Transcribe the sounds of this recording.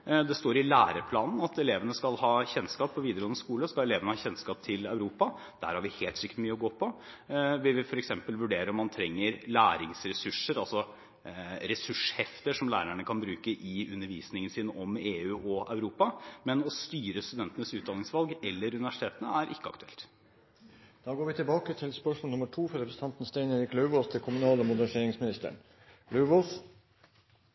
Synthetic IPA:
d̪ɛst̪oːɾɪlæːɾəpʰlɑːnn̩ɑt̪ɛleːʋənəskɑlhɑːçɛnskɑːpːɔʋiːd̪əɾɡɔnəskuːləskɑlɛleːʋənəhɑçɛnskɑːp̚t̪ʰɪlœʉɾuːpɑ | d̪̥æ̰ːɾhɑɾʋɪheːlt̪sʏkːət̪myːəɔɡoːpʰɔ | ʋɪlʋɪfɔɾɛksɛmpəlʋʉɖeːɾəɾɔmːɑnt̪ʰɾɛŋːəɾlæːɾɪŋsɾɛsʉʂəɾɑlsɔ | ɾɛsʉʂhɛft̪əʂɔmlæːɾæɳəkʰɑnbɾʉːkəʔɪʉnːəɾʋiːsnɪŋənsiːnəʔɔmeːʉːʔɔɑʉɾuːpɑmɛnɔst̪yːɾəst̪ʉd̪ɛnt̪ənəsʉːt̪d̪ɑːɪŋsʋɑlɡɛlːəɾʉnɪʋæʂɪ̥t̪eːt̪ənəæɾʔɪkːəɑ̰kt̪ʉ̥ɛlt̪ | d̪̥ɑːɡoːɾʋɪt̪ʰɪlbɑːkət̪ʰɪlspœʂmɔlnʊməʈʰuːfɔɾɛpɾəsət̪ʰɑnt̪n̩st̪æɪneːɾɪklœʉʋɔθt̪ʰɪkʰʊmʉnɑːləomʊd̪əseːɾɪŋsmɪnɪst̪ə̰ɳ | lœʉʋoθ

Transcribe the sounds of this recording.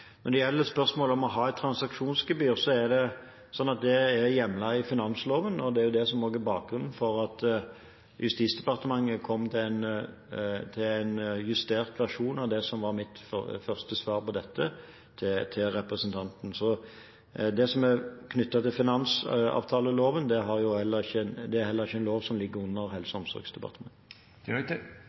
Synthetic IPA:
nɔd̪ɛjɛlːəspœɾsmoːləɔmɔɦɑːɛt̪ʰɾɑnsɑkʂuːnsɡəbyːɾsɔæɾd̪ɛ | sɔnːɑt̪̚d̪ɛæɾjɛmlɑɪfɪnɑnsloːʋənɔd̪ɛæɾjʊd̪ɛsɔmoːɡæɾbɑːk̚ɡɾʉnːn̩fɔɾɑt̪ | jʉst̪iːt̪sd̪ɛpɑɾt̪əmɑŋːəkʰɔmːt̪ʰɪlæn | t̪ʰɪlænjʉst̪eːɾt̪ʋæʁʂuːnɑʋd̪ɛsɔmʋɑɾmɪt̪fœʁst̪əsʋɑːɾpɔd̪ɛt̪ːə | t̪ʰɪt̪ʰɪlɾɛpɾəsənt̪ʰɑnt̪n̩sɔ | d̪ɛsɔmækʰnʏt̪ːɑt̪ɪlfɪnɑnsɑ̰ːʋt̪ʰɑːləloːʋənd̪ɛɦɑɾjʊhɛlːəɾɪçːəd̪ɛæɾhɛlːəʁɪçːəɛɪnloːʋsɔmlɪɡːəʉnːəɾhɛlsəɔmsɔ̰ɾɡsd̪ɛpɑ̰ʁt̪əmɑ̰ŋ

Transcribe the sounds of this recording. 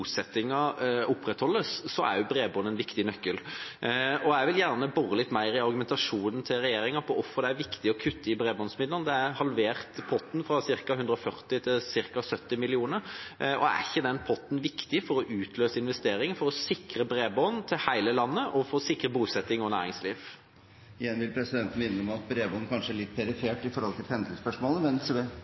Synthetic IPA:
sɛt̪ːɪŋɑʊpːɾɛt̪hɔlːəsːɔæ̰ɾjʊbɾeːbɔːnəɛnʋɪkt̪ɪnœkːəl | ɔæɪʋɪljæʁnəbɔʁəlɪt̪ːmæɪɾɪɑɾɡʉmɛnt̪ɑʂuːnn̩t̪ʰɪlɾɛjeːɾɪŋɑpʰɔʔɔfːəɾd̪ɛæɾʋɪkt̪ɪɔkʰʉt̪ʰːəɪbɾeːbɔːnsmɪd̪ənd̪ɛæɾhɑlʋeːʁt̪pʰɔt̪n̩fɾɑsɪɾkɑhʉnd̪ɾəɔfœʁt̪ɪt̪ʰɪlsɪɾkɑsœt̪ːɪmɪlɪuːnəɾɔ̰æ̰çːəd̪ɛnpʰɔt̪ːn̩ʋɪkt̪ɪfɔɾɔʔʉːt̪ʰløːsəɪnʋɛst̪eːɾɪŋəfɔɾɔsɪkɾəbɾeːbɔːnt̪ʰɪhæɪləlɑnːəʔɔfoːsɪkɾəbuːsɛt̪ːɪŋɔnæ̰ːɾɪŋsliːʋ | ɪjɛnʋɪlpʰɾɛsɪd̪ɛnt̪n̩mɪnːəɔmɑt̪̚bɾeːbɔːnkʰɑnʂəæɭɪt̪ːpʰɛɾɪfeːʈɪfɔɾhɔlt̪ʰɪlhɛnd̪l̩spœʂmɔːləʋɛnsɛbeː

